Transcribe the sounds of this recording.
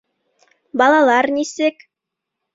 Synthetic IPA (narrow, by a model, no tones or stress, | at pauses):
bɑlˠɑlˠɑɾnisɘk